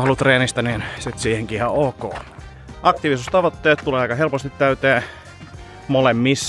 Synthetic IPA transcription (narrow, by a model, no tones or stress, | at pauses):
ɑlːut̪reːnist̪ɑninsit̪siːheŋkihɑoːko̰ː | ʔɑkt̪iʋisust̪ɑʋot̪ːeːt̪t̪uleːɑikɑhelpost̪it̪t̪æyt̪eː | molemːisː